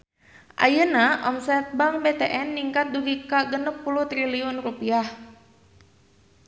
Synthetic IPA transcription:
ʔa̰jənaʔɔmsɛt̪̚baŋbet̪eʔɛnːiŋkat̪̚duɡikaɡənəp̚puluht̪ɾiliunrupiah

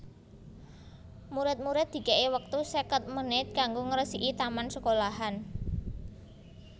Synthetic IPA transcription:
muɾɪt̪̚muɾɪt̪̚d̪̥i̤kɛʔewək̚t̪usəkət̪̚mənɪt̪̚kaŋɡoŋəɾəsiʔit̪amansəkolaɦan

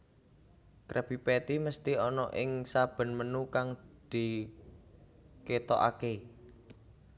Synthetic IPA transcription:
kɾʔeb̥i̤pɛt̪iməst̪iɔnɔʔɪŋsab̥ə̤nmənukaŋd̪̥i̤ | ket̪ɔʔa̰ke

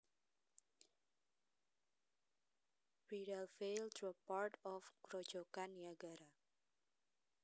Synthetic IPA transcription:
bidalfeldəpaɹtɔfkɾɔ̥d͡ʒ̥ɔkaniaɡaɾa

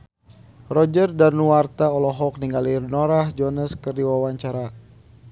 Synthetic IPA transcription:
rɔd͡ʒərdanuwart̪aɔlɔɦɔk̚niŋɡalirnɔɾahd͡ʒɔnəskərdiwawaɲt͡ʃaɾa

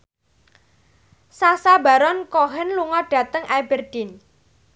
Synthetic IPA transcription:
sasaba̤ɾɔnkɔɦɛnluŋɔɖ̥ä̤t̪əŋʔabɛrd̥in

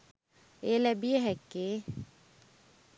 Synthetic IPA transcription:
elɛbieɦɛkːe

